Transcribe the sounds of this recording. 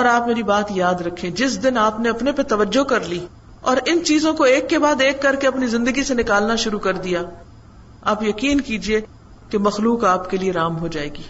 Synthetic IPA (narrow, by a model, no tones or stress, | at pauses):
ɔːɾaːpmeːɾibaːt̪jaːd̪ɾɐkʰːẽd͡ʒɪsd̪ɪnaːpneɐpnepet̪ɐʋəd͡ʒːokɐɾliː | ɔːɾɪnt͡ʃiːzõkoeːkːebaːd̪eːkːɐɾkeɐpnizɪ̃nd̪əɡisenɪkaːlnaʃʊɾukɐɾd̪ijaː | aːpjɐkiːnkiːd͡ʒie | kemɐxluːkaːpkelieɾaːmɦod͡ʒaːeːɡiː